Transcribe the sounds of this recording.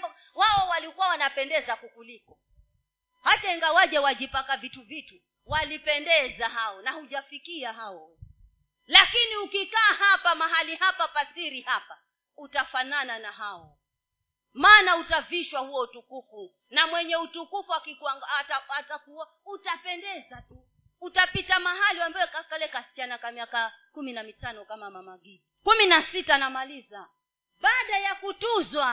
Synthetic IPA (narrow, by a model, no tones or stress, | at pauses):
waɔwalikuwawanapɛndɛzakukulikɔ | haɗaɛŋɡawaʄɛwaʄipakavituvitu | walipɛndɛzaɦaɔnahuʄafikiaɦaɔ | lakiniukikaːhapamaɦalihapapasiɾihapa | utafanananaɦaɔ | maːnautaviʃwahuwɔutukufu | namwɛɲɛutukufuakikaŋɡaːtaatakuwa | utapɛndɛzatuː | tapitamaɦaliwambawɛkakalɛkasi̥t͡ʃanakamiakakuminamitanɔkamamamaɡi | kuminasitanamaliza | ɓaːɗajakutuzwa